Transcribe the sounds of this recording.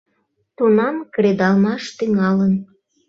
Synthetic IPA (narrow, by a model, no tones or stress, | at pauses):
t̪unɑmkɾed̪ɑlmɑʃt̪yŋɑlən